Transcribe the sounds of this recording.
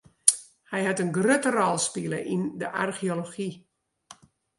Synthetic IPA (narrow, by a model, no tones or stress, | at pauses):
hɛjɦatənɡrøtərɔlˠspilˠə̰ʔindəʔa̰rxioloxi